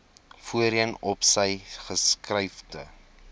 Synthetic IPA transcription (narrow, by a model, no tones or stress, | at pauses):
fuəɾənɔpsəjχəskrəjfdə